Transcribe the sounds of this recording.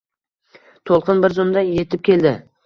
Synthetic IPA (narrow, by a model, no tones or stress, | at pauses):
t̪ʰolˠqɨnbɪɾzʊmd̪aje̞t̪ɪp̚kʲe̞ld̪ɪ